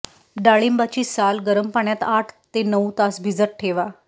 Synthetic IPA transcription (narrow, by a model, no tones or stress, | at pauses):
ɖaɭimbat͡ɕiːsalɡəɾəmpaɳjat̪aʈʰt̪enəut̪asbʱid͡zəʈ̚ʈʰeʋa